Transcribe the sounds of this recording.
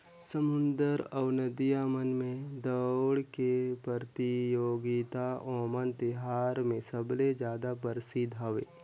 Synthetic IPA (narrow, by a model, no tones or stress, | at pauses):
səmʊnd̪əɾəwnəd̪ijamənmẽd̪əwɽkepəɾt̪ijoːɡit̪aʔɔːmənt̪ɪɦaːɾmẽsəbled͡ʒjaːd̪apəɾɪsid̪ɦɐʋeː